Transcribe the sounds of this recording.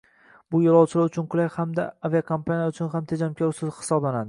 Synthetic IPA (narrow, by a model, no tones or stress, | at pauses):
bʊjɒlˠɒwt͡ʃʰɪlaɾʊt͡ʃʰʊnqʰʊlˠajhamd̪a̰aviakʰampʰanijaʊt͡ʃʰʊnɦamt̪ʰed͡ʒamkʲʰɒɾʊsɪzhɪ̥sɒblanad̪ɪ